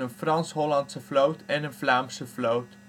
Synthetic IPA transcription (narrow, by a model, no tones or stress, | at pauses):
ənfrɑnsɦɔlɑntsəflowtʰɛnənflaːmsəflowt